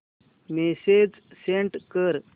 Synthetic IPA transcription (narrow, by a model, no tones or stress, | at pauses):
mesed͡z | seɳʈkəɾ